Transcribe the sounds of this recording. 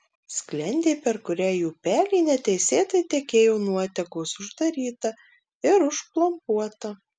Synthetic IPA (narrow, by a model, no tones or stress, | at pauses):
sʲklʲɛnʲd̪ʲeːpʲɛɾkʊɾʲæːjuːpʲæːlʲiːnʲɛt̪ʲɛɪsʲeːt̪ɐɪt̪ʲɛkʲeːjɛʊnuɔt̪ʲɛkosʊʒd̪ɐɾʲiːt̪ɐ | ɪɾʊʃplˠɐmpuɔt̪ɐ